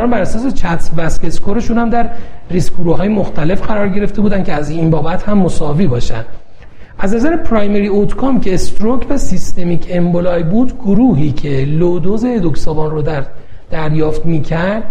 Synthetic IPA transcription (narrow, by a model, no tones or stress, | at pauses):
æɔːnbæɾæsɒːs̬e̞t͡ʃʰæt̪ʰvæskeskʰoɾeʃunhæmd̪æɾriskoɾuhɒːjemoxt̪æle̞fɢæɾɒːɾɟe̞ɾe̞ft̪e̞buːd̪æncʰeæzinbɒːbæt̪hæmːosɒːviːbɒːʃæ̰nd̪ | ʔæznæzæɾepʰɾɒːjmeɾiot̪ʰkʰomcʰeːst̪ɾokʰvæsist̪e̞miːcʰembolɒːjbuːd̪ɡoɾuːɦiːcʰe̞lod̪ozed̪oksɒːbɒːnro | d̪̥æɾjɒːft̪miːcʰæɾd̪